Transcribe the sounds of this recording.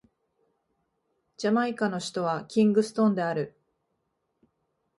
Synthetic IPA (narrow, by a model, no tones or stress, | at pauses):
d͡ʑamaikano̞ɕi̥t̪o̞βakʲĩŋɡɯ̟sɨ̥t̪õ̞ːnd̪e̞aɾɯ̟